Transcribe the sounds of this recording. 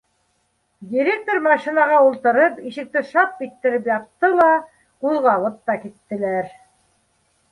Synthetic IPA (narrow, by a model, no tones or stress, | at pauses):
dʲiɾʲek̚t̪oɾmɑʃinɑʁɑulˠt̪ɤ̆ɾɤpiʃɘ̆k̚t̪ɘʃɑt̪̚kit̪ːɘ̆ɾɘpjɑp̚t̪ːɤlˠɑ | quðʁɑβɤp̚t̪ːɑkit̪ːɘ̆læɾ